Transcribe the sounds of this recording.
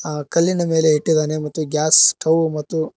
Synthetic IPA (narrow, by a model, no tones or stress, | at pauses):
aːkɐlːinɐme̞ːle̞ɦiʈːid̪aːne̞mɐt̪ːuɡʲjaːsʈʰɐwmɐt̪ːu